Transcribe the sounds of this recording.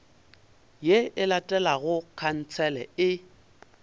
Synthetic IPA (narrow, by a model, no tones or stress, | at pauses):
jeɪlatʼɛlaɣʊkʰan̩t͡sʰɛlɛ̰ɪ